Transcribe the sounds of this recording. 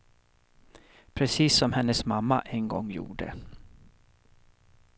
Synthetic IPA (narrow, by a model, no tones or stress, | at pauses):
pʰɾɛsiːsːɔmhɛnːəsmamːaʔɛnɡɔ̰ŋːjṵːɖə̰